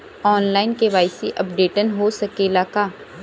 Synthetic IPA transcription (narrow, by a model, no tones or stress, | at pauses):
ɔːnlaːɪnkeʋaːɪsiʔɐpɖeːʈənɦosɐkeːlaːka